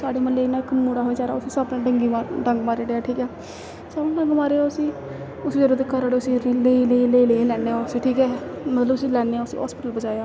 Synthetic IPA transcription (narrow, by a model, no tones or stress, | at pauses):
saːɖeːməleːnaːɪkːmuːɽaːɦoːeːt͡ʃaːɾa̰ːʊsiːsəbnãɖəŋɡiːmaɖəŋɡmaːɾeːɖeaːʈʰiːkɛː | sabaːɖə̃ŋɡmaːɾeːaːʊsiː | ʊsːd͡ʒəɾoːd̪ekːəɾaːɽeːʊsileːleːleːleːlɛːneːaːʊsiːʈʰiːkɛːmət̪ləbʊsiːlɛːneːaːʊsḭːɦɔ̰ːspɪʈəlbəd͡ʒaːjaː